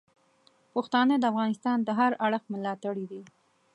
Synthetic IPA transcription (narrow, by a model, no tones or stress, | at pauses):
pəxt̪ɑnəd̪əafɣɑnɪst̪ɑnd̪əɦaɾaɽəxməlɑt̪aɽid̪i